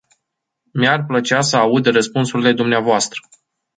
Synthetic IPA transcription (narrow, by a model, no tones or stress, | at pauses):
mearplət͡ʃeasəaud̪rəspunsuɾile̞d̪umneavoast̪ɾə̥